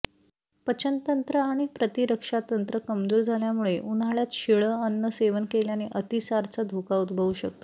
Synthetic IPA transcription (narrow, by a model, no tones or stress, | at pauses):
pət͡ɕənt̪ənt̪ɾəaɽ̃ipɾət̪iɾəkʂat̪ənt̪ɾəkəmd͡zuːɾd͡zʱaljamuɭeʔunaɭjat̪ɕiɭəənːəseʋənkeljaneʔət̪isaɾt͡sad̪ʱokaud̪bʱəʋuɕək̚t̪o